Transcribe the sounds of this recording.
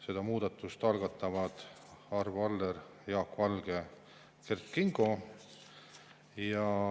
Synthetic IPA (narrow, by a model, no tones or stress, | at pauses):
se̞d̪̥ɑmuːd̪̥ɑt̪ːˑust̪ɑlɡ̥ɑt̪ːˑɑvɑd̪̥ | ɑrvɑld̪eɾjɑːkvɑlɡ̥e̞ | kerkːiŋɡ̥o̞ | jɑ